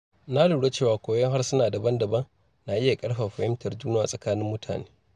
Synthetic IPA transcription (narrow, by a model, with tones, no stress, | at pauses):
na˦lu˨ɽe˦t͡ʃeː˦˨waː˨kʷoː˨jɐ˦ŋɦa˦rsʊ˦naː˨dɐ˨bɐ˦ndɐ˨bɐ˦ŋ | na˨ʔɪ˦ja˨kʼɐ˦ɽɸa˨ɸɐ˨hɪ˦mtɐ˨rd͡ʒuː˦na˦a̰˨sʼɐ˨kaː˦nɪ˦mːʊ˦tʰa̰ː˨neː˦